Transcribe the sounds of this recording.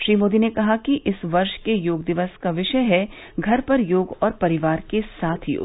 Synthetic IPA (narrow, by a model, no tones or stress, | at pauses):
ʃɾiːmoːd̪inekɐɦakiʔɪsʋɐɾʃkejoːɡd̪ɪʋəskaʋɪʃəjɦɛ | ɡʱɐɾpɐɾjoːɡɔːɾpɐɾɪʋaːɾkesaːt̪ʰjo̰ːɡ